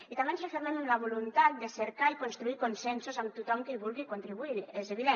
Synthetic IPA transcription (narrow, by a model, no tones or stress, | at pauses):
it̪amensefemenemlaβ̞olunt̪at̪̚d̪eseɾkaikonst̪ɾuikonsɛnsozant̪ut̪ɔmkeiβulɣikont̪ɾiβuiɾɛzeβiðe